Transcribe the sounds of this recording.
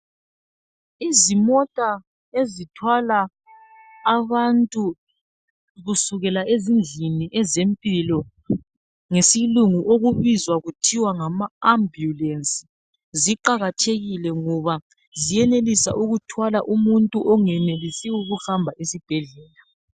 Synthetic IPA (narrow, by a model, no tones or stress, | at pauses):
izimɔtʼa | ezitʰwalaː | βantʼu | ɣusuɣɛlaezind͡ɮʱiniʔɛzempʼilɔ | ŋesiluŋuʔoɣuβizwaɣutʰiwaŋamaambjulensʼi̥ | ziǃaɣatʰeɣilɛŋɔβa | zijɛnelisa̰ʔuɣutʰwalaʔumuntʼuʔɔŋɛnelisiuɣuhambʱaʔesib̥ʱɛɮɛːla